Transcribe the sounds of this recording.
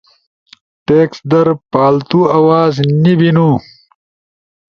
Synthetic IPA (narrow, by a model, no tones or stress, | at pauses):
ʈeːksd̪ɐɾpaːlt̪uɐwaːznibinu